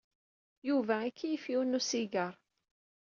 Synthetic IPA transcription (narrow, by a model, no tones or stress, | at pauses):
juvæækʰːijəfiwnusiɡəɾˤ